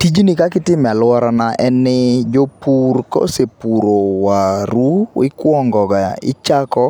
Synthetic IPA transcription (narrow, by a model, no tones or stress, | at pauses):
tid͡ʒnɪkakɪtɪmɛalwɔɾanaʔɛnːɪd͡ʒopurkɔ̰sepuɾowaɾuwɪ̰kwɔŋɡɔɡaɪ̰t͡ʃakɔ